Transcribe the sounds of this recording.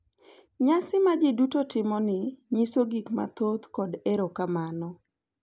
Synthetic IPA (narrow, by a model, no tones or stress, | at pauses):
ɲasɪmad͡ʒɪdutotɪmɔnɪɲisoɡikma̰t̪ot̪kɔdeɾokamanɔ